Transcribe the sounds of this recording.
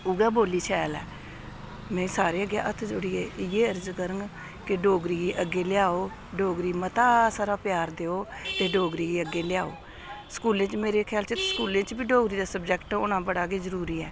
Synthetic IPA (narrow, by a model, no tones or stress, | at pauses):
uɡaːboːliːt͡ʃʰɛːlɛ̰ː | mɛ̃ːsaːɾeːəɡːja̰ːʔət̪ʰd͡ʒʊɽiːeːjeːəɾzkəɾəŋɡ | kɪɖoːɡɾiːʔəɡːeːlɪjaːoː | ɖoːɡɾiːmət̪aːsaːɾaːpjaːɾd̪eːoːt̪eːɖoːɡɾiːiːəɡːeːlɪjaːo̰ː | sə̥kuːlẽːt͡ʃmeːɾeːkʰjaːlt͡ʃskuːlẽːt͡ʃbiːɖoːɡɾiːd̪aːsəbd͡ʒɛkʈɛʊnãːbəɽaːɡeːzəɾuːɾiːɛː